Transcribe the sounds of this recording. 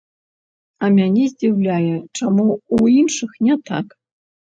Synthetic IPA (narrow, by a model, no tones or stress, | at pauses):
amʲanʲezʲd͡zʲiwlʲajɛʈ͡ʂamuuinʂɨxnʲɛt̪ʰa̰k